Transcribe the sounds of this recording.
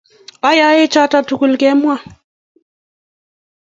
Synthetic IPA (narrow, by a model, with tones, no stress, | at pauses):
a˦ja˨˦jɪ˦t͡ʃa˦ta˨tu˨ku˨lkɛ˦mwa˦˨